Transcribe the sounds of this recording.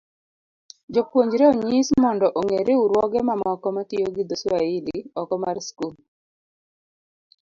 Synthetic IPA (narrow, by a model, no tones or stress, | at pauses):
d͡ʒopwoɲd͡ʒɾeoɲismɔndɔʔoŋeɾeuɾwɔɡɛmamɔkɔmatɪjoɡid̪oswaɪliɔkɔmarskul